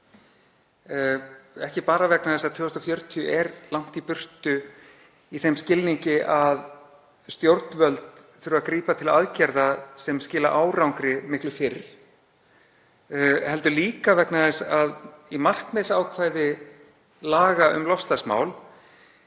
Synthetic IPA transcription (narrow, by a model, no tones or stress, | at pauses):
ɛhcɪpaːɾavɛknaðɛsaðt̪ʰʏːɔst̪ɔfjœɥɾt̪ʰiʏʔɛɾlawŋ̥t̪ipʏr̥t̪ʏ | iθejmscɪlniɲcɪʔað | st̪jowɾt̪nvœlt̪θʏɾʏakɾiːpat̪ʰɪla̰ðcɛɾðasɛmscɪːla̰ʔaːwɾawŋkɾɪmɪhklʏfɪɾ | hɛl̪t̪ʏliːkavɛknaðɛsaðimar̥knmɪsaːwkʰvaːjðɪ | laːɣaʏ̰mlɔfst̪asma̰ːwl